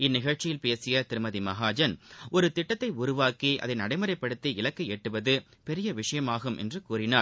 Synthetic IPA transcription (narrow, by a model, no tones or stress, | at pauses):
ɪnːɪɣɐɻt͡ʃɪjɪlpeːsɪjɐt̪ɪɾɯmɐðimɐɣaːd͡ʒɐnɔɾɯt̪ɪʈːɐt̪ːɐɪʊɾʊʋaːkiʔɐ̰ðɐɪnɐɽɐɪmɯɾɐɪpːɐɽɯt̪ːiɪlɐkːɐeːʈːɯʋɐðɯ | pɛɾɪjɐʋɪʂɐjɐmaːɣɯmʔɛ̰ndrɯkuːɾɪnaːɾ